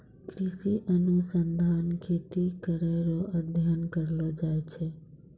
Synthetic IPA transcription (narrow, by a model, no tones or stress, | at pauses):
kɾisiʔənusənd̪ʱankʰet̪ikəɾeɾɔʔəd̪ʱjənkəɾlɔd͡ʒaet͡ʃʰɛ